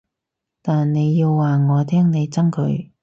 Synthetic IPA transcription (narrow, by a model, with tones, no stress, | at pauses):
t̪aː˨nne˨˧jːiː˧wːaː˨ŋɔː˨˧t̪ʰɛː˥ŋne˨˧jt͡sɐ˥ŋkʰɵ˨˧˥ɥ